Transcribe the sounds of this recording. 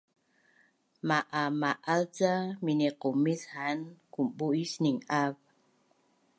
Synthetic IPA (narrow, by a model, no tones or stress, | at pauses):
maʔamaʔalt͡saminiqumishankumbuisniŋav